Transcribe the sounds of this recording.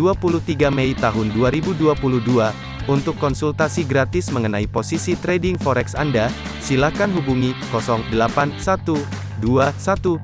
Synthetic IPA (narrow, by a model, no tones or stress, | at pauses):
uapulut̪iɡamɛjt̪aɦʊnduaɾibuduapuluhdua | unt̪ʊkːɔnsult̪asiɡɾat̪ɪsməŋənaiposisit̪ɾɛdɪŋfɔɾɛksa̰nda | silakanɦubuŋikɔsɔŋdəlapansat̪u | duasat̪u